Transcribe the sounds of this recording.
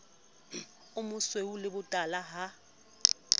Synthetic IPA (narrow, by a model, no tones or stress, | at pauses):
ʊmʊsweulɪbʊtʼalaɦa